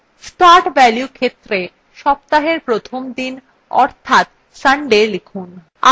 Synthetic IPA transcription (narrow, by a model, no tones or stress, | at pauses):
sʈaɾʈbɛljukʰet̪ːɾe | ʃɔb̚t̪aɦeɾpɾot̪ʰomd̪in | ɔ̰ɾt̪ʰat̪ | saɳɖelikʰun | a